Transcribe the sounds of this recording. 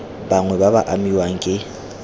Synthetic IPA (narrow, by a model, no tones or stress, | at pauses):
baŋwɛbabaʔamiwaŋ̩kʼɪ